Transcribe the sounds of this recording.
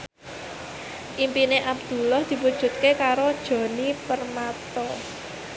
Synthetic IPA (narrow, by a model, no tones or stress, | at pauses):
ʔimpineʔabd̪̥ṳlɔhd̪̥i̤pud̥ʒ̥ṳt̪̚kekaɾod̥ʒ̥ɔ̤nipərmat̪ɔ